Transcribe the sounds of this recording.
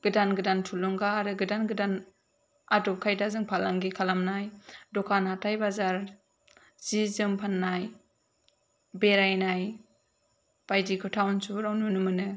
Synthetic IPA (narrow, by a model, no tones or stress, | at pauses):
ɡ̥ɯdanɡɯdantʰulɔŋɡaːɾɯɡɯdanɡɯdan | adɔkʰajdazɯŋpʰalaŋɡikʰalamnajdɔkʰanatʰajbazaɾ | z̥izɯmpʰanːaj | beɾajnaj | b̥ajdikʰɯtʰawnsuɾawnunɯmɯnɯ